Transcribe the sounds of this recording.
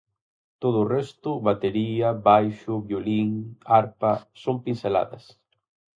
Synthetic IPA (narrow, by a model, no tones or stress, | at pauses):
t̪oð̞ʊːrɛst̪ʊβat̪eɾiɐβajʃʊβjoliŋaɾpɐsompinsela̰ðɐ̰s